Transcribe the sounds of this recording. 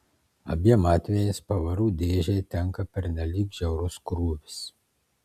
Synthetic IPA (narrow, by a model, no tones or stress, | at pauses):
ɐ̰bʲiɛmɑːt̪ʲʋʲejespɐʋɐɾuːd̪ʲeːʒʲɛt̪ʲɛŋkɐpʲɛɾʲnʲɛlʲiːkʒʲɛʊɾʊskɾuːʋʲɪs